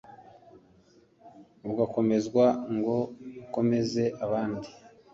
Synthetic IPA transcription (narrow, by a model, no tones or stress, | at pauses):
uɡako̞me̞zɡwaŋɡo̞uko̞me̞ze̞ʔaβaːndi